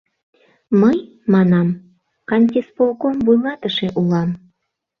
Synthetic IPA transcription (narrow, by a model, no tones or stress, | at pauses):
məj | mɑnɑm | kɑnʲt̪ʲispolkombujŋɑt̪əʃeʔulɑm